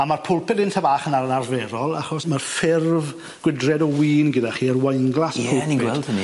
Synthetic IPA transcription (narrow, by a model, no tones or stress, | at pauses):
amarpʰʊlˠpʰɪdɪntʰabaːχənaɾənarvɛːɾɔlˠaχɔsmarfɪrv | ɡ̥wɪdrɛdɔwiːnɡɪdaχiːərwajŋɡlˠaspʰʊlpniɡwɛldəni